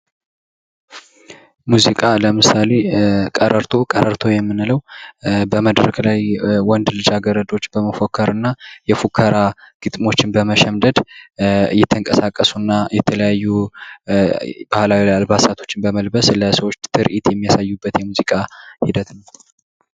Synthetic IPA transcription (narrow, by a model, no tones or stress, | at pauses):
muzikʼaləmɨsale̞kʼəɾəɾt̪ʰo̞kʼəɾəɾt̪ʰojɛmːɨnɨləwbəməd̪ɾəklajwɔnd̪lɨd͡ʒaɡəɾəd̪o̞t͡ʃːbəməfokʰːəɾɨnːajɛfukʰːəɾaɡ̥ɨt̪ʼmo̞t͡ʃːɪnbəməʃɛmd̪əd̪ | ɨ̰jːɛt̪ʰːəŋkʼəsakʼːəsunːajɛt̪ʰələjajːu | b̥ahlawilajalbasat̪ʰo̞̥t͡ʃːɪnbəməlbəsləsəwot͡ʃːt̪ʰɨɾʔit̪jɛmːijasajːubːət̪jɛmuzikʼahid̪ət̪nəw